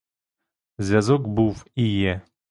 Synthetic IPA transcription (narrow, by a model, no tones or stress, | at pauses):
zʲvʲjazɔɡbufijɛ